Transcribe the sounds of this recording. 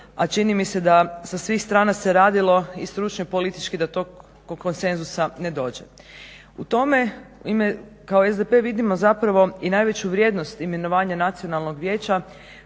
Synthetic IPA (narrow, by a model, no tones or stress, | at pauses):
at͡ʃinimise̞d̪asasʋiːxst̪ɾaːnase̞ɾaːd̪ilˠo̞ist̪ɾut͡ʃnoipo̞lit̪i̥t͡ʃkid̪at̪o̞ɡ | oko̞nse̞nzusane̞d̪o̞ːd͡ʑḛ | ṵt̪o̞me̞imekaoezd̪epe̞ʋid̪imo̞zapɾaʋo̞inaːjʋe̞t͡ɕuʋɾʲje̞ːd̪no̞st̪ime̞noʋaːɲanat̪sijonalˠno̞ɡʋje̞ːt͡ɕa